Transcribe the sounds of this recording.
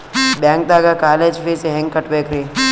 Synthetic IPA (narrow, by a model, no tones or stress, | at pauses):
bɛ̃ːŋk̚d̪aːɡakaːleːd͡ʒfʰeːseɦɛ̃ŋɡkːəʈbeːkʰɾĩː